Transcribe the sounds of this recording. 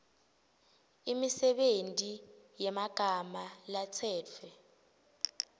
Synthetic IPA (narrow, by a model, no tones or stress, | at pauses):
imisɛɓentʼijɛmaɡ̥ʱamalat͡sʰɛːt͡fʰwɛ